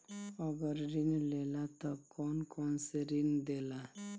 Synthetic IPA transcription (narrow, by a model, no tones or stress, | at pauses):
ɔɡəɾɾinlelat̪akɔnkɔnseɾind̪ela